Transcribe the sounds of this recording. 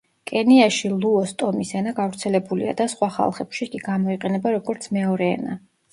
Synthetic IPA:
kʼɛniaʃilˠuɔst̪ʼɔmisɛnaɡavɾt̪sʰɛlɛbulḭa̰d̪asχwaχa̰lˠχɛpʃikʼiɡamɔiqʼɛnɛbaɾɔɡɔɾt̪sʰmɛɔɾɛɛ̰na

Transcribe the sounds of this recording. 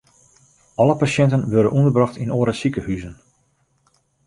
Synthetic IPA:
ʔɑləpasjɛntənʋørdənʔundərbrɑxtinoːɾəsikəhyzən

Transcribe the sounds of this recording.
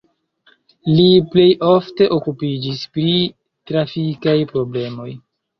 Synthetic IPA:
liple̞jʔo̞fte̞ʔo̞kupid͡ʒispɾi | tɾafikajpɾo̞ble̞mo̞j

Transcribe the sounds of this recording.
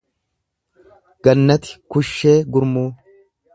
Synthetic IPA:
ɡ̥ɐnːɐt̪ɪ̥kʊʃːe̞ːɡʊɾmuː

